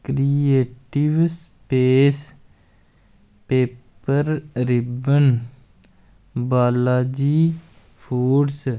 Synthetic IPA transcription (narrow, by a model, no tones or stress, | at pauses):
kɾieːʈiʋspeːs | peːp | əɾɾɪbən | baːlaːd͡ʒiː | pʰuːɖs